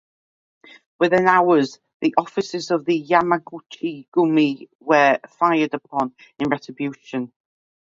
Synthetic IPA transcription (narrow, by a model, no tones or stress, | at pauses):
wɪðɪ̃naʊəz | ðiʔɒfɪsɪzəvðəjamaɡut͡ʃiɡ̥ʊmi | wəfaɪədəpʰɒ̃n | ɪ̃nɹɛtɹ̥ɪbjʉˑʃə̃n